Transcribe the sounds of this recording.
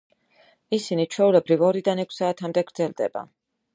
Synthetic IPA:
isinit͡ʃʰwɛulɛbɾivɔɾid̪anɛkʰsaːt̪ʰamd̪ɛɡɾd̪zɛlˠd̪ɛ̰ba̰

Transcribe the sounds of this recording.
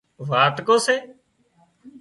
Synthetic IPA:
ʋaːʈ̪koːseː

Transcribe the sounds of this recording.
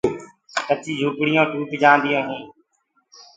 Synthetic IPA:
kət͡ʃiːd͡ʒʱuːkɽɪjãːʈuːpd͡ʒãːnd̪ijõːɦẽː

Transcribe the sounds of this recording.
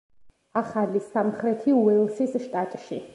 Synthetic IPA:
aχalisamχɾɛt̪ʰiuɛlˠʃisʃt̪ʼat̪ʼʃi

